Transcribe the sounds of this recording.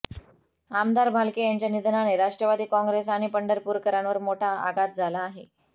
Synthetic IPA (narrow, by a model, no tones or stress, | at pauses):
amd̪aɾbʱalkejaɲt͡ɕjanid̪ʱnaneɾaʂʈɾəʋad̪iːkɔ̃ŋɡɾesaɽ̃ipəɳɖəɾpuːɾkəɾãnʋəɾmoʈʰaa̰ɡat̪̚d͡zʱalaːɦe